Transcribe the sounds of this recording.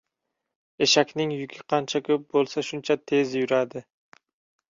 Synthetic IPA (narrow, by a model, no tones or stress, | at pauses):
e̞ʃakʲnɪŋjʊkʲʰɪqʰɑnt͡ʃʰakʲʰɵp̚bolˠsaʃʊnt͡ʃʰat̪ʰe̞zjʊɾad̪ɪ